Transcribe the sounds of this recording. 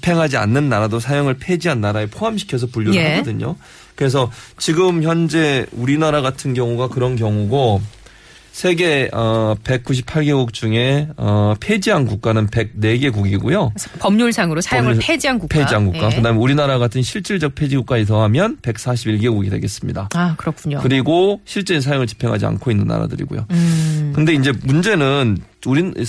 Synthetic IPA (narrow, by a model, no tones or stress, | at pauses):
pʰe̞ŋɦad͡ʑia̰nːɯnːaɾadosʰajoŋɯɭpʰe̞d͡ʑiɦanːaɾaepʰoɦamɕʰi̥kʰjʌs̬ʰʌpuʎːoɦaɡʌdɯɲo̰ | kɯɾe̞s̬ʰʌt͡ɕiɡɯmçjʌnd͡ʑe̞uɾinaɾaɡatʰɯnkjʌŋuɡakɯɾʌnk̬jʌŋuɡo | sʰe̞ɡe̞ʌpe̞k̚k͈uɕ̬ʰi̥p̚ʰaɭɡe̞ɡuk̚t͡ɕ͈uŋe̞ʌpʰe̞d͡ʑiɦanɡuk̚k͈anɯnpe̞ɡ̚ne̞ɡe̞ɡuɡiɡujopʌmɲuɭsʰaŋɯɾosʰaŋpʰed͡ʑiɦanɡupʰed͡ʑiɦanɡukk͈akɯdaɦmeuɾinaɾaɡatʰɯnɕʰiɭt͡ɕ͈iɭd͡ʑʌk̚pʰe̞d͡ʑiɡuk͈aɲit̬ʌɦamjʌnpe̞k̚s͈ʰaɕʰibiɭɡe̞ɡuɡidwe̞̰ɡe̞s͈ɯmɲidaakɯɾʌkʰuɲokɯɾiɡoɕʰiɭt͡ɕ͈einsʰajoŋɯɭt͡ɕi̥pʰe̞ŋɦad͡ʑia̰nkʰoinːɯnːa̰ɾa̰dɯɾḭɡo̰jo̰kɯnde̞ind͡ʑe̞mund͡ʑe̞nɯnuɾi